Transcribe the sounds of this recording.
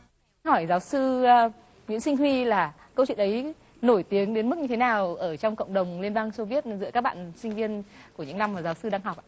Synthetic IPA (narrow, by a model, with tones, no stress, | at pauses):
hɔ˧˩jzaː˨˦wsɨ˧ | ɲɨ̰˧˥ŋsi˧ŋ̟ɦwi˧laː˨˩ | kə˧wt͡ɕw̰nʔə˨˦j | no˧˩jt̪i˨˦əŋɗe˨˦nm˦˥k̚ɲɨ˧e˨˦naː˨˩wʔəː˧˩t͡ɕɔ˧wŋ͡mkə̰˧˨wŋ͡mɗə˨˩wŋ͡mli˧ənɓaː˧ŋso˧vi˦˥ət̚zɨ̰˧˥əkːaː˦˥k̚ɓa̰ː˧˨nsï˧ŋ̟vi˧ənku˧˩əɲɨ̰˧˥na˧mːaː˨˩zaː˨˦wsɨ˧ɗaː˧ŋɦɔ˨˩k͡p̚